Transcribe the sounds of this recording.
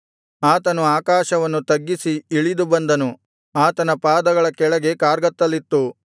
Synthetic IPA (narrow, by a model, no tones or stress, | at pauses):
aːt̪ɐnuaːkaːʃɐʋɐnːut̪ɐɡːisiiɭid̪ubɐnd̪ɐnu | aːt̪ɐnɐpaːd̪ɐɡɐɭɐkɛɭɐɡe̞kaːɾɡɐt̪ːɐlːit̪ːu